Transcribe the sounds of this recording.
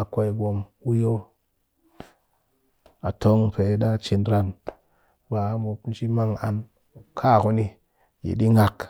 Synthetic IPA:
a˨kʷa˧i˨ɡʷo˧m | u˦jo˦ | a̰˨to˦ŋpe˨˦ɗa˦t͡ʃi˧nɾa˧n | ba˨˦mu˧pn̩˦t͡ʃi˦ma˦ŋa˧n | kʰa˦˨ku˦ni˧ | jḭ˨ɗi˦ŋa˧k

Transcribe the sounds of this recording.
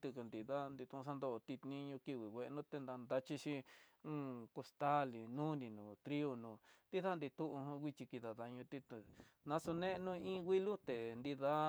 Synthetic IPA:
t̪u˧ku˧nd̪i˨ða˦˧nd̪i˧t̪ũ˧sa˦nd̪o˧t̪i˧t̪nĩ˧ɲũ˧ki˧wi˨wʷe˧ʔnũ˦t̪e˧nd̪a˧nd̪a˧t͡ʃi˧ʃi˧˦ũ˦˧ko˧st̪a˦li˨nũ˦nĩ˧nũː˨t̪ɾi˦o˧nũː˧t̪i˦ða˦˧nd̪i˧t̪ũ˦ʔũ˧hwʷi˧t͡ʃi˧ki˧ða˨ða˧ɲũ˧t̪i˧t̪u˧ | nã˧so˧nẽ˦˧nũ˦˧ĩ˦wʷi˦lu˦t̪e˨nd̪i˧ða˦

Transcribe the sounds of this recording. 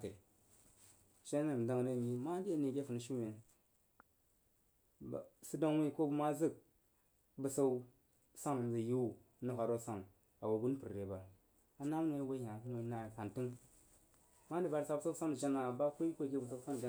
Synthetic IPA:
te˨ | ʃe˦e˦˨m˨da˦ŋne˦˨ɲi˦ma˦di˦e˨ne˨ɡʲe˦fu˨n˨ʃi˦we˨n˨ | si˦do˦ŋwi˦˨ko˦bu˦ma˦zɨ˦˨k̚ | bɨ˨sa˦u˦ | sa˦ŋ˨zi˨ji˦wu˦˨˦ | nu˨ka˨ɾo˦sa˦˨ŋ | a˨wo˨ɡu˦n˦pɨ˨ɾɾe˨ba˨ɾ | a˨na˦m˦n˦e˨˦we˦ja˨˦no˨˦na˨ka˨nti˦ŋ | ma˦n˦di˨ba˨ɾsa˨bu˦sa˦u˦sa˦ŋ˦i˨d͡ʒa˦na˨ba˦kʷo˦i˦kʷo˦˨ɡʲe˦bə˨s̬a˦u˦sa˦ŋ˨d͡ʒa˦

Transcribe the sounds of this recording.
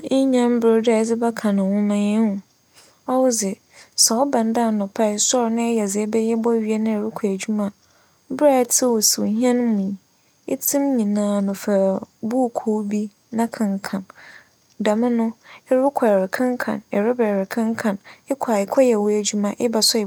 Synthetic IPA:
ɪ˦ɲã˦m˦bɪ˦da˨d͡zɪ˦ba˦kʰã˨nʊ̃˨wʊ̃˦mã˦ɲɪ̃˦ʊ̃˨ | ɔ˦wʊ˦d͡zɪ˨ | sɛ˨ɔ˦bã˨n˦da˦˨nʊ̃˨pʰa˦ɪ˨sɔ˦ɾnɪ̃˦ɛ˦jɛ˨d͡zɪ˨˦bɛ˦jɛ˦bɔ˦ɥi˦ɛ˦nɪ̃˦ɛ˨ɾɪ˦kʷʰa˨æ˨d͡ʑᶣu˦mã˦ | bɾa˦˨tʰɪ˦wo˨si˨˦ɦi˦ɛ̃˦ñ˦mũ˨ | e˦tʰĩ˦mɲĩ˨nãː˨˦nʊ̃˨fa˨bu˦˨kʰo˦bi˦ | nã˦kʰã˨ŋkʰã˨n | dã˨mɪ̃˦nʊ̃˦ɛ˦ɾɪ˦kʷʰa˨ɾɪ˨kʰã˦ŋ˦kʰã̰˨nɛ˨ɾɪ˦bɛ˨ɾɪ˨kʰã˦ŋ˦kʰã˨nɪ˦kʰa˨ɪ˨kʰɔ˦jɛ˨wʊ˦æ˨d͡ʑᶣu˦mã˨ʔɪ˦ba˨sɔ˦ɪ˨

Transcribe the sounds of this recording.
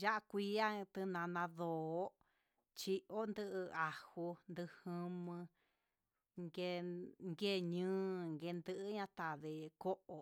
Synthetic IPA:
ja˦ʔa˦˧kʷi˦a˦t̪ɨ˧nã˧nã˧ðoː˨˦ | t͡ʃi˧ʔo˦nd̪ɨ˦˧ʔɨ˧a˨hu˧nd̪ɨ˧hɨ̃˧mɨ̃˧ | ŋɡe˧ŋɡe˦˨ɲɨ̃ː˦ŋɡe˧nd̪ɨ˦˧ʔɲã˦˧t̪a˨ðe˧ko˦ʔo˧

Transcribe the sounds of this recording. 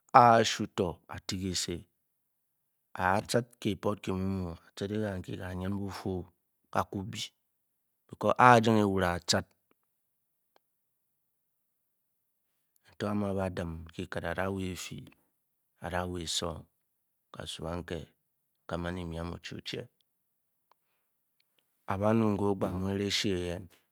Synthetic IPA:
a˦˨ʃu˦to˨a̰˨ti˦ke˨se˦ | a˨˦t͡ʃa˦t̚ke˨po˦t̚ke˨mu˦mu˨a˨t͡ʃɨ˦te˦ɣa˨ŋ̩˨kḭ˨ɣa˨ɲe˦n˦bu˦fo˦ | ka˨ku˦bi˦ | b̥i˨ko˦ʔa˦d͡ʒi˦ŋe˨wu˨ɾa˨t͡ʃa˦t̚ | n̩˨to˦a˦ma˨βa˨dɨ˨m˨ki˦kɨ˨ta˨ɾa˦we˦˨fḭ˨ | a̰˨ɾa˦we˨e˨so˦ŋ | ka̰˨sṵ˨a˦ŋ̩˦kḛ˨ | ka˨ma˦ni˨mi˨a˦mo̰˨t͡ʃi˦o̰˨t͡ʃḛ˦ | a˨βa˦nu˨ŋ̩˨ɡo˦ɡ͡ba˨mo˦e˦ɾe˦ʃe˦e˨je˦n

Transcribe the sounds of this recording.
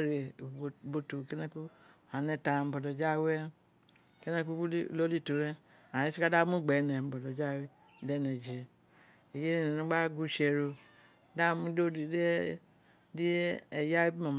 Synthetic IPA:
ɾe˨bo˨tu˨ke˦nɛ˦ku˦˨ | a˨nɛ˨ta˨m̩˨bɔ˨dɔ˨d͡ʒa˦we˦˨ | ke˦nɛ˦ku˦i˦˨lo˦li˦˨to˨ɾɛ˦ | a˨i˦si˦ka˦da˦mu˦ɡ͡bɛ˨nɛ˨m̩˨bɔ˨dɔ˨d͡ʒa˦we˦ | dɛ˦nɛ˨d͡ʒe˨ | e˨je˦ne˨n˨nu˦ɡ͡ba˦ɡu˦ʃe˨ɾo˨ | da˦˨mu˦do˦˨˦ | di˦˨ja˦bi˦ma˨m˨

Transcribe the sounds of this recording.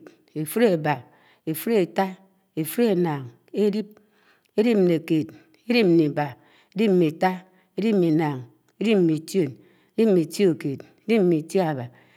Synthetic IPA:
t | e˨fu˦ɾe˨ba˨ | e˨fu˦ɾe˨ta˦ | e˨fu˦ɾe˦naː˨ŋ | e˦ɾi˦p̚ | e˦ɾi˦p̚m̩˦˨ne˨ke˨t | e˦ɾi˦p̚m̩˦ni˨ba˨ | e˦di˦p̚m̩˦˨mi˨ta˦ | e˦ɾi˦m̩˦mi˨naː˨ŋ | e˦ɾi˦p̚m̩˦˨mi˨tjo˦˨n | e˦ɾi˦p̚m̩˦mi˨ti˦o˦˨ke˨t | e˦di˦p̚m̩˦mi˨ta˨ba˨

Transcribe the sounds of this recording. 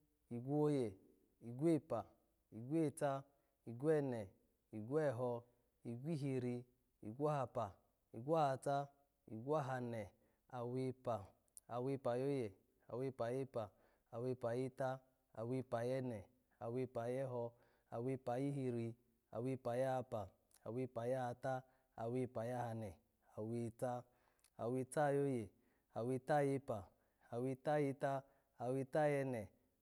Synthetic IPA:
i˨ɡʷu˦o˦je˨ | i˨ɡʷe˦˨pa˨ | i˨ɡʷe˦˨ta˦ | i˨ɡʷɛ˦˨nɛ˨ | i˨ɡwɛ˦˨ɦɔ˧ | i˨ɡʷi˦ɦi˧ɾi˧ | i˨ɡʷa˦ha˧pa˨ | i˨ɡʷa˦ha˧ta˦ | ḭ˨ɡʷa˦˨ɦa˧nɛ˨ | a˨we˧˦pa˨ | a˨we˧pa˨jo˦je˨ | a˨we˧˦˨pa˨je˦pa˨ | a˨we˧pa˨je˦ta˦ | a˨wi˧pa˨jɛ˦nɛ˨ | a˨wi˧pa˨jɛ˦ɦɔ˧ | a˨wi˧pa˨ji˦ɦi˧ɾi˧ | a̰˨wi˧pa˨ja˦ha˧pa˨ | a˨wi˧pa˨ja˦ha˧ta˦ | a˨wi˧pa˨ja˦ha˧nɛ˨ | a˨wi˧ta˦ | a˨wi˧ta˦˨jo˦je˨ | a˨wi˧ta˦˨je˧pa˨ | a˨wi˧ta˦ji˧ta˦ | a˨wi˧ta˦˨jɛ˧nɛ˨

